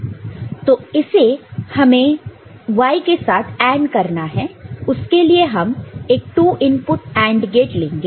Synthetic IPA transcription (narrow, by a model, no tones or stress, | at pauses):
t̪oːɪsehɐmẽ | ʋaːikesaːt̪ʰɛ̃ːɳɖkɐɾnaɦɛʊskelieɦɐmeːk̚ʈuːʔɪnpʊʈɛ̃ːɳɖɡeːʈlẽːŋɡeː